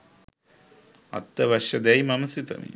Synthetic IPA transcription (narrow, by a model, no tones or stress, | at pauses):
ɐ̰t̪ːɐʋɐʃjɐd̪ɐjmɐmɐsit̪ɐ̰mḭ